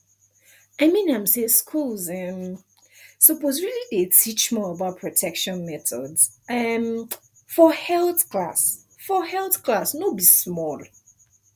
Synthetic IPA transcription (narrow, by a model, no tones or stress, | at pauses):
aɪmĩnãɪ̃mseskʰulˠzɛm | sɔtɔzɹilidetʰit͡ʃmɔəbaʊt̚pʰɹ̥ɔtʰɛkʃɔ̃nmɛtɔdz̥ | ʌm | fɔhɛlˠθkʰla̰s | fɔhɛlˠθkʰlasnobismɔlˠ